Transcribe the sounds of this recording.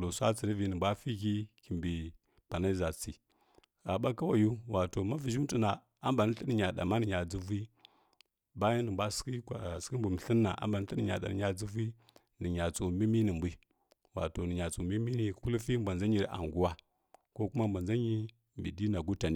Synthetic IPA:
lo˨sʷa˦t͡si˨ɾi˦vi˨nə˨ba˦fi˦ki˦ki˨mbi˨ | pa˨na˦i˦za˨t͡si˨ | ɣa˨ɓa˦ka˦wa˨ju˦wa˨to˨ma˦vi˨ʒu˦ti˦na˨ | a˦mba˨ni˦ɬi˦ni˨ɲa˨ɗa̰˨ma˦nə˨ɲa˨d͡zu˦vi˦ | ba˦ji˦nə˨mbʷa˦ski˦˨ski˦m˦bu˨mi˨ɬi˦nːa̰˨ʔa̰˦mba˨ni˦ɬə˦ni˨ɲa̰˨ɗa̰˨nə˨ɲa˨d͡zi˦vi˦ | nə˨ɲa˨t͡so˨mi˦mi˦ni˨mbi˦ | wa̰˨to˨nə˨ɲa˨t͡so˨mi˦mi˦ni˨˦ku˦lu˦fi˦mba˨nd͡za˦ɲi˨ɾʔa̰˨ŋɡu˦wa˦ | ko˦ku˦ma˦mba˨nd͡za˦ɲi˦ | mbḭ˨di˦na˨ɡu˦ta˨ni˦

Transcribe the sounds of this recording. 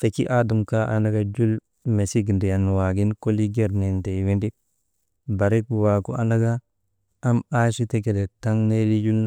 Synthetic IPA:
fe˨ki˦ʔa˦du˨mka˦ʔa̰˦na˦ɡa˨d͡ʒu˦l | me˨si˦ɡndi˨ja˨n˨wa˨ɡi˦nko˦li˦ɡe˦ɾne˨nte˨jwi˦ndi˦k̚ | ba˨ɾi˦kwa˨ku˦ʔa˦na˦ɡa˦ | ʔa˦ma˦si˦te˦ke˨de˨ta˦ŋne˦li˦d͡ʒu˦l

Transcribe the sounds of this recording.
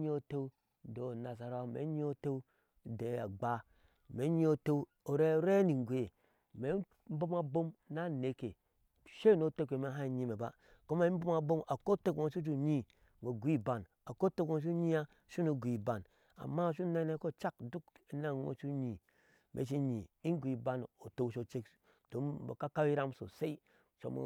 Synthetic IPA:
ɲi˦o˨te˦ | do˨na˨sa˨ɾmḛ˨˦ɲi˦o˦te˦˨ | de˨a̰˨ɡ͡ba˦ | me˨˦ɲi˦o˦te˦u˦ | o˨ɾe˦ɾe˦ni˨ŋ˨ɡʷe˨je˨ | me˨˦ | m̩˦bo˦ma˨bo˦mna˦ne˨kḛ˨ | ʃe˦˨no˨˦te˦ke˨me˨˦ɦa˦i˨ɲi˦me˨ba̰˦ | ko˦me˨˦m̩˦bo˦ma˦bo˦ma˨ko˦te˦kõ˨ʃu˦d͡ʒ̬u˦ɲi˦ | ɡo˨ɡʷi˦ba˨n | a˨ko˦te˦ko˨ʃ̬u˦ɲi˦a˦ | ʃu˦no˨ɡʷi˨ba˨n | a̰˨mːa˦˨ʃu˦ne˦ne˦ko˦t͡ʃa˦kdu˦ki˦na˦˨ŋo̰˨ʃu˦ɲi˨ | mʔḛ˨˦ʃ̬i˦ɲḭ˨i˦ŋ˦ɡʷi˨ba˦n˨o˨te˦wʃo˨t͡ʃe˦k | d̥o˨˦mbo̰˨ka˦ka˦wi˦ɾa˦mso̰˨se˦i˦ | ʃo̰˨m̰˨˦

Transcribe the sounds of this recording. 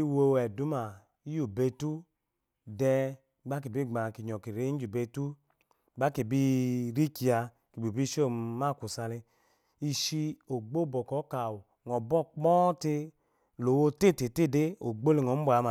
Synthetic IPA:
i˦˧wo˧wɛ˨du˨˦ma˨ | i˦ju˦˨be˧tu˦ | dɛ˧˦ | ɡ͡ba˦k̬i˨bi˦˨ɡ͡ba˨ki˨ɲ˨ɔ˨ki˨ɾe˦i˦d͡ʒu˨be˧tu˦˨˦ | ɡ͡ba˦ki˨bi˦ɾi˦ki˨a˧ | ki˨bi˨bi˦ʃo˦˨ma˦˨ku˨sa˧le˧ | i˧ʃi˧o˨ɡ͡bo˦˨bɔ˨kɔ˨˦ka˨wu˨ | ŋɔ˨bɔ˦˨k͡pɔ˦te˧ | lo˨wo˧te˦˨te˨te˦˨de˦o˨ɡ͡bo˦le˨ŋɔ˨˦bʷa˨˦a˨

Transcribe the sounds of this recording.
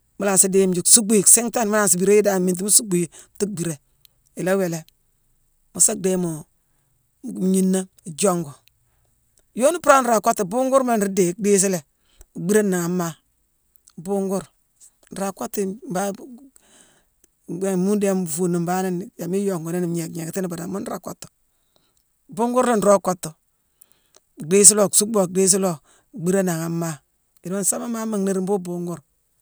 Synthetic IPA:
mu˦la˨si˦de˦m˦d͡ʒu˨ksu˦ɡ͡bi˦˨ksi˦ŋta˦nmu˦la˨ns̬i˨bi˨ɾe˦ji˦da˦˨mi˨nt̬i˦mu˦su˦ɡ͡bu˨ji˨ti˦k̚bi˨ɾe˨ | i˨la˦we˨le˨ | mu˨sa˦k̚de˦mu˨ | m˨ɲi˦nːa˦˨d͡ʒo˦ŋɡo˨ | jo˦ni˦pɾa˦n˨ɾa˨ko˦tːi˨bu˦ŋɡu˦ɾma˦˨ɾi˦de˨k̚de˦s̬i˦le˨ | u˨ɡ͡bi˦ɾe˦nːa˨ŋa˨mːa˨ | bu˦ŋɡu˦ɾ | n̩˨ɾa˨ko˦tːi˦˨ba˦˨ | mu˦da˦m˨fu˨ni˨mba˦ni˦n˨ja˨mi˦jo˨ŋɡo˨ne˦ni˨m˨ɲe˨kɲe˨kti˦ni˦ba˨da˨mu˦n˦ɾa˨ko˦tːo̥˨ | bu˦ŋɡu˦ɾle˦n̩˨ɾo˦ko˦tːo˨ | ɡ͡be˦s̬i˦lo˨su˦bo˨ɡ͡be˦s̬i˦lo˦˨ | ɡ͡bi˦ɾa˦na˨ŋa˨ma˦ | i˨ɾo˦n˦sa˦ma˦ma˦ma˨ŋni˦ɾi˨mbu˦bu˦ŋɡu˦ɾ

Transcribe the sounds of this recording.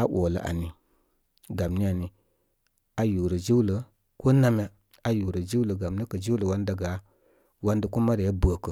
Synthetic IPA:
a˦wo˨lə̰˨ʔa̰˨ni˨ | ɡa˨mni˦a˨ni˨ | a˨ju˨ɾə˨d͡ʒi˦wlə˨ | ko˦na˦m˦a˦ | a˨ju˨ɾə˨d͡ʒi˦wlə˨ɡa˨mni˦kə˨d͡ʒi˦wlə˨wa˦nda˨ɡa˨˦ | wa˦ndə˨ko˦ma˦ɾe˨ja˦bə˨kə˨

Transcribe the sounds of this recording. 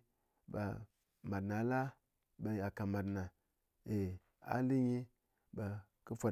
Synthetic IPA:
ba̰˨ | ma˨dna˨˦la˦ | ba˨a˨ka˨ma˨dna˨ | e˨ | a̰˦li˦ɲi˦ | ba˨ | ku˦fʷa˨

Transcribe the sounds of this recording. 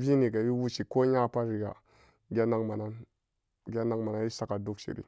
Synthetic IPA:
vi˦ni˨ɡa˨wi˦wu˦t͡ʃi˨ko˦ɲa˦˨pa˦ɾi˨ɡa̰˨ | ɡʲa˦na˦ŋma˨na˦n | ɡʲa˦na˦ŋma˨na˦i˦sa˨ka˨du˦kt͡ʃḭ˨ɾḭ˦

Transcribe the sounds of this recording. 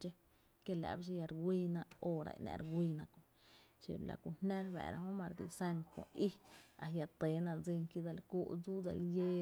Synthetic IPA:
t͡ʃe˦ | ke˦lḛ˧˨bʃ̬e˦ja˧ɾɡwʷi˧na˧o˧ɾa̰˨jna̰˧ɾɡʷi˧na˧ko˨ | sḭ˧ɾla̰˨ku˧hne˦ɾbḛ˨ɾa˧o˦ma˧ɾd̪ḭ˧sa˦˧nkʷo˨i˦a˨ja˧t̪e˨˦na˧d͡zi˧ŋki˧˦d̪a˧lku˦˧d͡zu˦da̰˧lje˧

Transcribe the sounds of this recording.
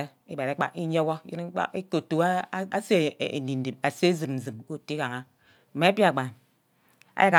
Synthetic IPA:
e˦i˦ba˨ɾe˨˦k͡pa̰˦ki˦ɲ˦o˦wɔ˦ji˦n˦k͡pa̰˦i˦ko˨tu˨˦a˦se˦˨ḛ˨di˨n̩˨di˨p̚a˨se˦zɨ˨mn̩˨zɨ˨mko˦ti˦ka˨ŋa˦˨ | ma˨˦pi˦a˨ɡ͡ba˨n | a̰˦ja˦ka˨

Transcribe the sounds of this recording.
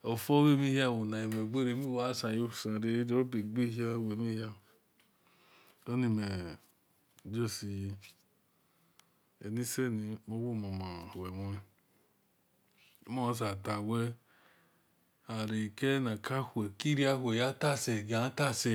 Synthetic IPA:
o˨fo˦we˦mi˦hi˦a˦˨wo˨na˨i˨me˨ɡ͡be˦ɾe˧˨˦mi˦wa˦sã˨jo˦˨sã˨ɾe˦de˦ɾo˦pe˨ɡ͡bi˦ha˦˨we˨mi˦ha˦˨ | do˦ni˧me˨ | d͡ʒo˦˨si˨˧˦ | ḛ˨ni˦se˦˨ni˧mo˦wo˦˨ma˨mã˨wɛ˨mo˧˦i˨˦ | ma˦˧˦s̬a˨ta˨wɛ˦ | a˨ɾe˨kɛ˦nã˨ka˦hu˨ɛ˨ki˦ɾi˦a˦hʷu˦e˨ja˦ta˦˨sɛ˨ɡa˨˦ta˦˨sɛ˧

